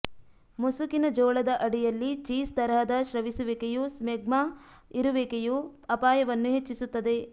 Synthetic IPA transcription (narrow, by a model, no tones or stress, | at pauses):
musukinɐd͡ʒɔːɭɐd̪ɐʔɐɽijɐlːit͡ʃiːst̪ɐɾɦɐd̪ɐʃɾɐʋisuʋekejusmeɡ̚mɐ | iɾuʋekejuɐpaːjɐʋɐnːuɦet͡ʃːisut̪ːɐd̪e̞